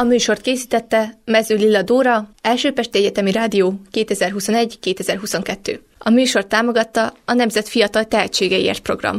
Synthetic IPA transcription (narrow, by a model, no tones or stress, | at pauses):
ɒmyːʃo̞rt̪̚keːsiːt̪ɛt̪ːɛmɛzylːilːɒd̪oːɾɒɛlʃøːpɛʃt̪iɛɟɛt̪ɛmiɾaːd̪ijoːkeːt̪ɛzɛrɦuso̞nɛɟkeːt̪ɛzɛrɦuso̞ŋkɛt̪ːø̰ː | ɒmyːʃo̞rt̪ːaːmo̞ɡɒt̪ːɒɒnɛmzɛt̪fijɒt̪ɒlt̪ɛɦɛt͡ʃeːɡɛiḛːrt̪̚pro̞̰ɡrɒ̰m